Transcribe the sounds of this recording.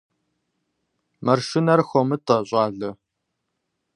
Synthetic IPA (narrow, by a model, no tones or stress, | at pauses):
mɐrʃɪnɐrxʷɔmɨtʼɐɕʼɑːɮɐ